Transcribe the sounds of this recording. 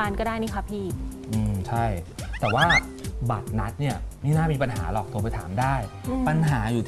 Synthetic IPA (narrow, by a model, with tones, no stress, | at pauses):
aː˧nkɔː˥˩daː˥˩jniː˦˥˩kʰa˦˥pʰiː˥˩ʔɯː˧mt͡ɕʰa˥˩jt̪ɛː˨˩waː˥˩ | ba˨˩t̪̚na˦˥t̪̚ni˥˩ɐmi˥˩naː˥˩miː˧pa˧nɦa̰ː˩˦lɔː˨˩k̚t̪u˧pa˧jt̪ʰa̰ː˩˦mdaː˥˩jpa˧nɦaː˩˦juː˨˩